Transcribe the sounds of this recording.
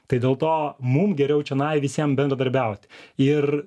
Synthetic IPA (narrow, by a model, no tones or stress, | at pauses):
t̪ɐɪd̪ʲeːlˠt̪oːmʊmɡʲɛɾʲɛʊt͡ʃʲɛnɐɪʋʲɪsʲiɛmbʲɛnd̪ɾɐd̪ɐɾʲbʲɛʊt̪ʲɪr